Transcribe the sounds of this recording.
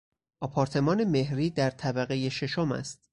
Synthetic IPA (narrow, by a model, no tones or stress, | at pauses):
ʔɒːpʰɒːɾt̪ʰe̞mɒːne̞me̞hɾiːd̪æɾt̪ʰæbæɣeje̞ʃe̞ʃomæ̰st̪̚